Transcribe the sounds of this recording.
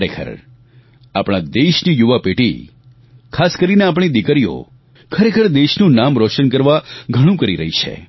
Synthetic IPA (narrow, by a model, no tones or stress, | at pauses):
ɾekʰə̰ɾ | apɽ̃ad̪eʃnijuʋapeʈḭ | kʰaskəɾineap̬ɳ̃id̪ikəɾijo̰ | kʰəɾekʰəɾd̪eʃnũnamɾɔʃənkəɾʋaɡʱəɽ̃ũkəɾiɾəɦit͡ʃʰḛ